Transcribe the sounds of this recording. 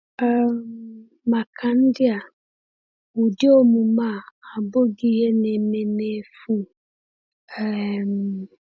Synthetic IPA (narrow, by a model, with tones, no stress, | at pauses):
ɛ˨mː | ã˨kʰã˨˦n̩˦dɪ˦a˨ | wu˨dɪ˦o˦mũ˨mã˦˨a˨bo˦ɡi˦jɛ˦nɪ̃˨nɪ̃˦nɪ̃˦fu˦ | ɛ˨m